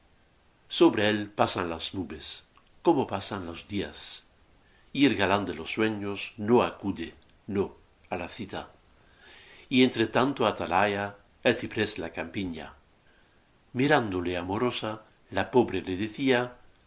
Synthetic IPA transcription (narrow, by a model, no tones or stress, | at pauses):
soβɾeelpasanlaznuβes | komopasanlo̞zd̪ia̰s | ielɣaland̪elosːweɲosnoakuðe | no | alaθit̪a | ient̪ɾet̪ant̪oat̪alaja | elθipɾeslakampiɲa̰ | miɾand̪oleamoɾosa | lapoβɾeleðeθia